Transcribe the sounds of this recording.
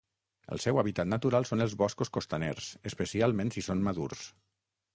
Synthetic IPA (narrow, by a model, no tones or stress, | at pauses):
ə̰lˠsɛwaβit̪at̪nat̪uɾalˠsonəlˠzβɔskuskost̪anḛɾsəspəsialˠmẽnsisonmaðurs